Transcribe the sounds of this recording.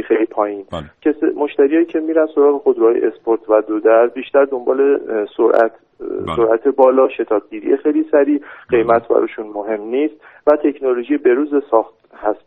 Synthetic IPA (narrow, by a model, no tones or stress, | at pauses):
xejlipʰɒːjiːncʰesmo̞ʃt̪æɾijɒːjiːcʰe̞miːɾænd̪so̞ɾɒːɣe̞xo̞d̪ɾuhɒːjḛʔespʰoɾt̪ʰvæd̪od̪æɾbiːʃt̪æɾd̪o̞mbɒ̰ːle̞soɾʔæ̰t̪ʰ | so̞ɾʔæt̪ʰe̞bɒːlɒːʃe̞t̪ʰɒːb̚ɟiːɾḭjexejlisæɾiːɢ̥e̞jmæt̪ʰbæ̰ɾɒ̰ːʃunmoɦe̞mniːst̪ | væt̪ʰe̞kʰnoloʒijebe̞ɾuːzesɒːxt̪ | hæst̪̚